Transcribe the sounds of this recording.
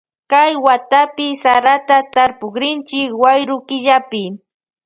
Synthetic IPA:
kajwat̪apɪsaɾat̪at̪aɾpʊkɾɪnt͡ʃɪkwajɾʊkɪʎapɪ

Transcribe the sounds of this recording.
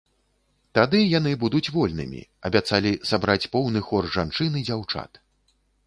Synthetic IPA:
t̪ad̪ɨjanɨbud̪ut͡sʲvɔlʲnɨ̰mʲḭɐ̰bʲat̪salʲisabɾat͡sʲpɔwnɨxɔrʐant͡ʂɨnɨd͡zʲawt͡ʂa̰t̪

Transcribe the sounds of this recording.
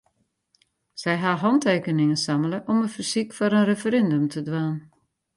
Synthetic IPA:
sɛjɦaɦɑnteːkənɪŋəsamələʔɔmənfərsikfɔɾənrefəɾɛndømtʰədʋaːn

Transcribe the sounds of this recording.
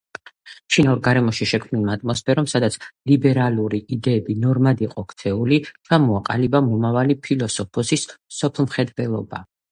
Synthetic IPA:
t͡ʃʰinauɾɡaɾɛmɔʃiʃɛkʰmnilˠmaat̪ʼmɔspʰɛɾɔmsad̪at̪sʰlibɛɾaluɾiid̪ɛːbinɔɾmad̪iqʼɔkʰt̪sʰɛulit͡ʃʰamɔaqʼa̰libamɔmavalipʰilɔsɔpʰɔsissɔpʰlˠmχɛd̪bɛlˠɔba

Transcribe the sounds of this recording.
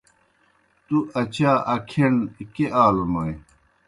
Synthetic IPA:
t̪uɐt͡ɕaːɐkʰenkeʔaːlunoe

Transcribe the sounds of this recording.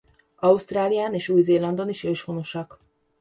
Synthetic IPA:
ɒust̪raːlijaːneːʃuːjzeːlɒnd̪o̞niʃøːʃhono̞ʃɒk

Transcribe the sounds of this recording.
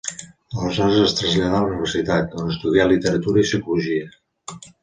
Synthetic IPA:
ələzɔɾəzəst̪ɾəzʎaðauniβərsit̪at̪onəst̪uðialit̪əɾət̪uɾəisikuluʒiə

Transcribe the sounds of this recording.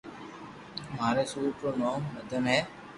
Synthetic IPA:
maːɾeːsuːɾpɾoːnoːmːəd̪ʱənɦɛː

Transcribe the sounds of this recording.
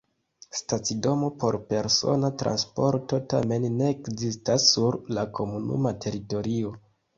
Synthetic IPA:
stat͡sido̞mo̞po̞ɾpe̞ɾso̞̰natɾa̰nspo̞ɾto̞ta̰me̞nːe̞ːkzistasːuɾlakʰo̞munṵmatʰe̞ɾito̞ɾio̞

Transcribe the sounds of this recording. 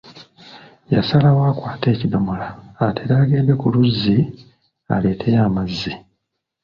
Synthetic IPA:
jasalawaːkwaːte̞ːcidomolaːtʰeɾaɡeːdekuluzːi | a̰le̞ːtʰe̞jaːmazːi

